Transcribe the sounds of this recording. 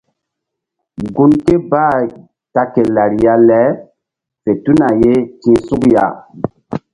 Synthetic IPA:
ɡu˦nke˦baː˦˨ | ta˨ke˨la˨ɾi˨ja˦lɛ˨˦ | fe˨tu˦na˨je˦kĩ˦su˦kja̰˦˨

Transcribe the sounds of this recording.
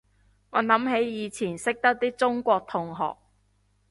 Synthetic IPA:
ŋɔː˨˧nɐ˨˥mɦe˨˥jjiː˨˧t͡sʰiː˨˩nsɪ˥k̚t̪ɐ˥k̚t̪iː˥t͡sʊ˥ŋkʷɔː˧k̚t̪ʰʊ˨ŋɦɔ̰ː˨k̚

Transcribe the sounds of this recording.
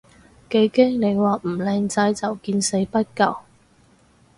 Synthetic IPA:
ke˨˧jke˥ŋne˨˧jwaː˨m̩˨˩lɛː˧ŋt͡sɐ˨˧jt͡sɐ˨wkiː˧nse˨˥jpɐ˥t̚kɐ˨w

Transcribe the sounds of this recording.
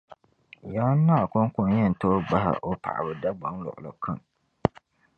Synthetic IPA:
jaː˦nːa˦˨kʊ˦ŋ˦kʊ˦njɛ˦˨n˨to˦ɡ͡ba˦ɦa̰˨ʔo˦pʰa̰˨ʔa̰˨bɨ˨da˦ɡ͡ba˨ŋlɔ̰˨ʔʊ˨lɔ̰˨kʰa˦˨ŋ

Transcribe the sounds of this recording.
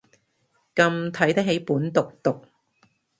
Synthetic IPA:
kɐ˧mt̪ʰɐ˨˥jt̪ɐ˥k̚ɦe˨˥jpuː˨˥nt̪ʊ˨k̚t̪ʊ˨k̚

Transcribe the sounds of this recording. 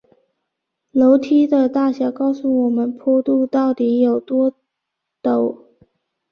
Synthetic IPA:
lo˧˥ʊt̪ʰi˥d̪ə˨t̪a˥˩ɕjɑ˨˧˥kɑ˥˧ʊsu˥˩wɔ˨˩mə˦npʰɔ˥t̪u˥˧t̪ɑ˥˩ʊt̪i˧˥jo˨˩ʊt̪wɔ˥ | t̪o˨˩˦ʊ

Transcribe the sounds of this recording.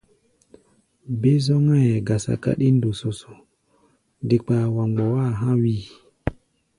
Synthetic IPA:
be˦zɔ˦ŋa˦jɛ˨ɡa˨sa̰˨ka̰˦ɗi˦n˦do˨so˨so˨ | di˨k͡pa˨wa˨ŋ͡mɡ͡bɔ˨wa˦˨ɦã˦wi˦˨

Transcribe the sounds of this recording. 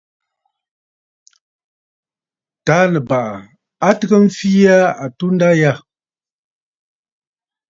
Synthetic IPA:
ta˨˦lə˨ba˨ʔa˨ | a˦tə˨ɣə˦m̩˦fi˦a˦a˨tu˦n̩˦da˦ja˦˨

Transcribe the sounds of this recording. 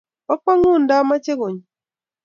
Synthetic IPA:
ɔ˦k͡pɔ˦ŋu˦˨n̩˨da˦ma˦t͡ʃe˦ɣo˨ɲ˨

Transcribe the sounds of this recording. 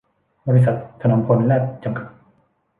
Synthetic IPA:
bɔː˧ɾi˧˥s̬a˨˩t̪̚ʰːa˧na˧˦mpʰo˧nlɛː˥˩p̚t͡ɕa˧mkʰḁ˨˩t̚

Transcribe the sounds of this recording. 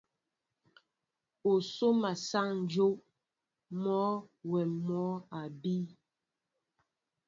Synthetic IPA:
o˨so˦ma˨sa˦˨ŋn̩˨˦d͡ʒo˦ʔ | mɔː˨˦wɛ˨mmɔ˨˦a˨bi˦

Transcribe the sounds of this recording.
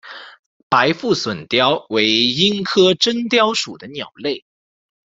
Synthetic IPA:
pa˧˥ɪfu˥˩swə˨˩nt̪jɑ˥ʊwe˧˥ɪi˥ŋkʰɤ˥ʈ͡ʂə˥ŋt̪jɑ˥ʊʂu˨˩d̪ə˦njɑ˨˩ʊle˥˩ɪ

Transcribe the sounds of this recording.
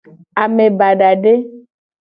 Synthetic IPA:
a˨mẽ˨ba˨ɖa˨ɖe˦

